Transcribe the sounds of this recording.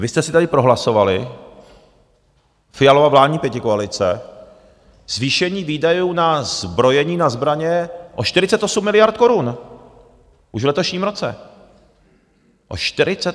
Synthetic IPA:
vɪst̪ɛsɪt̪adɪpɾo̞ɦlaso̞valɪ | fɪjalovavlaːd̚ɲiːpjɛcɪkoalɪt͡sɛ̰ | z̥viːʃɛɲiːviːdajuːnazbɾo̞jɛɲiːnazbɾaɲɛʔoʃt̪ɪɾɪt͡sɛt̪ʔo̞sumːɪlɪjaɾt̪̚ko̞ɾun | ʔuʃvlɛt̪oʃɲiːmɾo̞t͡sɛ̰ | ʔo̰ʃt̪ɪɾɪt͡sɛt̪

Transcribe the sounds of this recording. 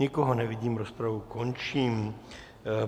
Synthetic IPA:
ikɔɦɔnɛʋiɟiːmɾɔspɾaʋukɔnt͡ʃiːm

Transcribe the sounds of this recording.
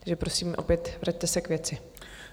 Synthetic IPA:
ʒɛpɾo̞siːmʔo̞̰pjɛt̪vɾac̚t̪ɛsɛkvjɛt͡sɪ

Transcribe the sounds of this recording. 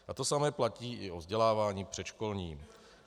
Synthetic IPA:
ʔat̪o̞samɛːplaciːʔɪʔovzɟɛlaːvaːɲiːpr̝̥ɛt̪ʃko̞lɲiːm

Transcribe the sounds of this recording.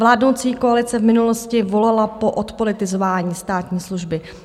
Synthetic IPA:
vlaːdnowt͡siːkoalɪt͡sɛvmɪnuloscɪvo̞lalapo̞ʔot̪po̞lɪt̪ɪzo̞vaːɲiːst̪aːt̪ɲiːsluʒbɪ

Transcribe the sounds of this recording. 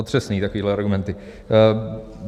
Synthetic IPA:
ot̪r̥ɛsniːt̪akoviːɦlɛaɾɡumɛnt̪ɪ

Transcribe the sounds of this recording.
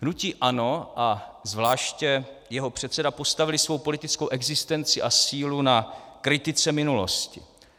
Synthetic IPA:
nuciːʔano̞ʔazvlaːʃcɛjɛɦo̞pr̝̥ɛt̪sɛdapo̞st̪avɪlɪsvo̞wpo̞lɪt̪ɪt͡skowʔɛɡzɪst̪ɛnt͡sɪʔasiːlunakɾɪt̪ɪt͡sɛmɪnulo̞̰scɪ̰

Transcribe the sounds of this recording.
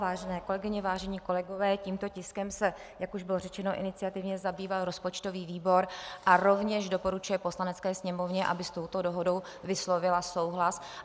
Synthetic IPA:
vaːʒɛnɛːko̞lɛɡɪɲɛvaːʒɛɲiːko̞lɛɡo̞vɛːciːmt̪o̞cɪskɛmsɛ | jakuʒbɪlo̞rɛt͡ʃɛno̞ʔɪ̰nɪt͡sɪat̪ɪvɲɛzabiːvalɾo̞spo̞t͡ʃt̪o̞viːviːbo̞ɾʔaɾo̞vɲɛʒdo̞po̞ɾut͡ʃujɛpo̞slanɛt͡skɛːsɲɛmo̞vɲɛʔa̰bɪst̪o̞wt̪o̞doɦodo̞w | vɪslo̞vɪlaso̞wɦlas

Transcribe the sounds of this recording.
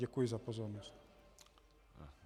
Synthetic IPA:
ɛkujɛzapɔzɔɾnɔstʲ

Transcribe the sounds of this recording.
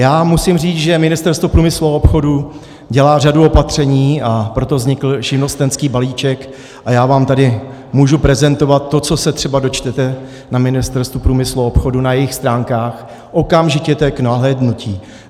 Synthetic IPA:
jaːmusɪmriːt͡sʒɛmɪnɪst̪ɛɾst̪vopɾuːmɪsluopxo̞du | ɟɛlaːr̝aduo̞pat̪r̝̥ɛɲiːʔapɾo̞t̪o̞vzɲɪkl̩ʃɪnost̪ɛnskiːbaliːt͡ʃɛk | ʔajaːvaːmt̪adɪmuːʒupɾɛzɛnt̪o̞vat̪ːo̞tt͡so̞sɛt̪r̝̥ɛbado̞t͡ʃt̪ɛt̪ɛ | namɪnɪst̪ɛɾst̪vupɾuːmɪsluopxo̞dunajɛjɪxst̪ɾaːŋkaːx | ʔo̞kamʒɪcɛt̪ɛknaɦlɛːdnuciː

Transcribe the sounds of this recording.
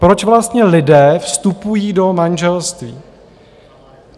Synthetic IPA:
pɾo̞t͡ʃvlast̪ɲɛlɪdɛːfst̪upujiːdo̞manʒɛlst̪viː

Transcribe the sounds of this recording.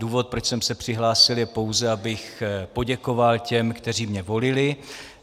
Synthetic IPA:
duːvo̞t̪̚pɾot͡ʃsɛmsɛpr̥ɪɦlaːsɪljɛpo̞wzɛabɪxpo̞ɟɛko̞valcɛmkt̪ɛr̝iːmɲɛvo̞lɪlɪ

